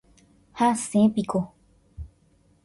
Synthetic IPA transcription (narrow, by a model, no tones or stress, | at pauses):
hasẽpiko